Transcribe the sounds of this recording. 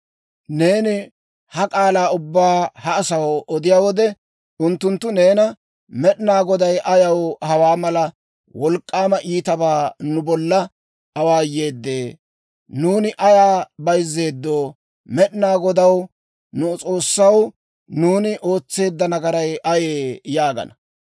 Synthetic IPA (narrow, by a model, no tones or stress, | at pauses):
ne̞ːnɪ | hɐkʼaːlaːʊbːaːhɐːsɐwʔɔd̪ɪjaːwɔd̪ɛ | ʊnt̪ːʊnt̪ːʊne̞ːnɐ | mɛɗɪnaːɡɔd̪ɐjʔɐjɐwhɐwaːmɐlɐ | wɔlkʼːaːmɐʔiːt̪ɐbaːnʊbɔlːɐ | ɐwaːje̞ːd̪ːeː | nuːnɪʔɐjaːbɐjzːe̞ːd̪ːo̞ː | mɛɗɪnaːɡɔd̪ɐw | nʊt͡sʼo̞ːsːɐw | nuːnɪʔo̞ːt͡sːe̞ːd̪ːɐnɐɡɐɾɐjʔɐjeːjaːɡɐ̰nɐ